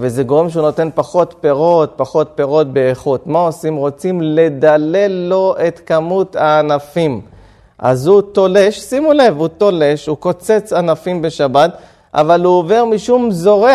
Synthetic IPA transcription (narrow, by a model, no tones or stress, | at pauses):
veze̞ɡo̞ʁe̞mʃeuno̞t̪e̞npaχo̞t̪pe̞ʁo̞t̪̚paχo̞t̪̚pe̞ʁo̞t̪̚be̞ːχut̪mao̞simʁo̞t͡simle̞d̪ale̞lo̞ʔe̞t̪kamut̪aːnafim | ʔa̰zhut̪o̞le̞ʃsimule̞vut̪o̞le̞ʃhuko̞t͡se̞t͡sanafimbe̞ʃabat̪ | ʔa̰valuove̞ʁmiʃumzo̞ʁe